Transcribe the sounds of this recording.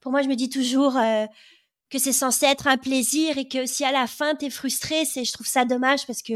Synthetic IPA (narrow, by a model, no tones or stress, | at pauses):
puʁmwaʒəməd̪it̪uʒuʁø | kəsɛsɑ̃seɛt̪χɛ̃pleziʁekəosialafɛ̃t̪ɛfχyst̪χesɛʒət̪χuv̥sad̪ɔmaʒpaʁsə̥kə